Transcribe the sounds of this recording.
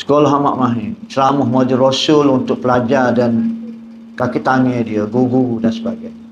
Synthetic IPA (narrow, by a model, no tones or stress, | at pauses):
sə̥kolɔɦama̰ʔmãɦɪnt͡ʃəɾamʊhmad͡ʒiɾosʊlunt̪ʊk̚pəlad͡ʒadan | kakit̪anĩadiəɡuɡuɡudansəbaɡaj